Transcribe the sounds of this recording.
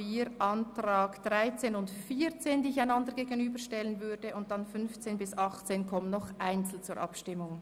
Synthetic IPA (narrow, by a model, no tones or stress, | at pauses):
iːɾʔɑntʁaːɡd̥ʁaɪt͡seːnʊntfiːɾt͡seːndiːɪçaɪnɑndəɡeːɡənyːbəʃtɛlənvʏɾdəʔʊnt̚d̥ɑnfʏnft͡seːnbɪsɑχt͡seːnkʰɔmənːɔχʔaɪnt͡sl̩t͡suːɾʔɑ̰pʃtɪmʊŋ